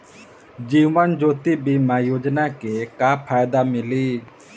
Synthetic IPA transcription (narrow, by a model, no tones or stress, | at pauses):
d͡ʒiːʋənd͡ʒoːt̪ibiːmãjoːd͡ʒnakekaːpʰaːjd̪amɪliː